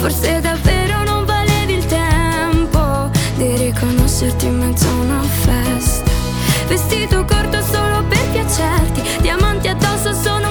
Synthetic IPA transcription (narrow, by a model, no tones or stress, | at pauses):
forsed̪avːeːɾonoɱvalevilt̪ɛ | mpo | d̪irikʰonoʃːert̪imːezɔnaofɛst̪ḁ | vest̪iːt̪okort̪osoːloperkjat͡ʃːɛrt̪i | d̪iamant̪iad̪ːɔsosoːno